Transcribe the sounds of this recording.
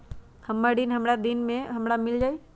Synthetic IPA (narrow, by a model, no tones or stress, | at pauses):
hɐmːaɖinɦɐmɾad̪inmẽɦɐmɾamɪld͡ʒaːi